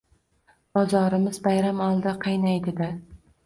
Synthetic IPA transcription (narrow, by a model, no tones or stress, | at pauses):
b̥ɒzɒɾɪmɪzbajɾamɒlˠd̪ɪqʰɨjnajd̪ɪd̪ɪ